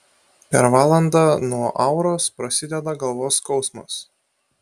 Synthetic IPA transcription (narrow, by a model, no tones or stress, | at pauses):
pʲɛɾʋɑːlˠɐnd̪ɑnuɔʔɑʊɾoːspɾɐsʲɪd̪ʲɛd̪ɐɡɐlˠʋoːskɒʊsmɐ̰s